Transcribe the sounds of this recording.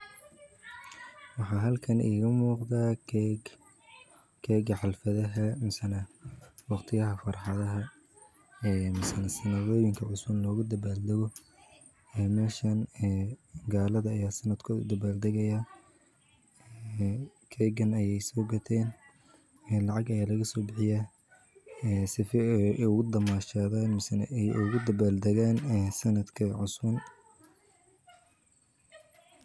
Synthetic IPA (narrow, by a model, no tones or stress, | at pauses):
wɑħɑːɦɐlkʰɐnʔḭːɣɐmuːqðaː | kʰɛːɡɐħɑlfɐðɐɦɐmɐsɐnɐwɑqt̪ʰɪjɐɦɐfɑrħɑðɐɦɐ | ɛːmɐsɐnɐsɐnɐðɔːjɪŋkʰɐʕʊsʊlɔːɣʊd̪ɐbaːld̪ɐɣɔ | ɛːmɛːʃɐnɛːɡaːlɐðɐːjaːsɐnɐd̪kʰʊd̪ɐbaːld̪ɐɣɛjɐ | kʰɛɡɐnɐjɛjsɔːɡɐt̪ʰɛːn | ɛːlɑʕɑɡɐjaːlɐɣɐsɔːbɪħɪjaː | ɛsɪfɛɛʊɣʊd̪ɐmaːʃaːðaːnmɪsɐnʔɛjʔʊɣʊd̪ɐbaːld̪ɐɣaːnɛːsɐnɐd̪kʰɐʕʊsʊn